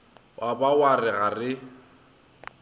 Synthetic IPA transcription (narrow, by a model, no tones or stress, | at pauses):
wʔabawarɪɣarɪ